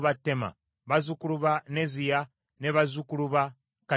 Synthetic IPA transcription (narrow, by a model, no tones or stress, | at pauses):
βatːema̰ | βazukuluβanezija | neβazukuluβa | ka